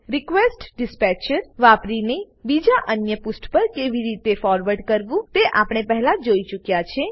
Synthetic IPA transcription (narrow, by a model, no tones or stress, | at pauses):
ɾɪkʋesʈɖɪspɛt͡ʃəɾʋapɾine | bid͡ʒaʔənjəpʊsʈpəɾkeʋiɾit̪efɔɾʋəɖkəɾʋũt̪eʔapɳ̃epəɦɛlãd͡ʒoit͡ʃukjat͡ʃʰe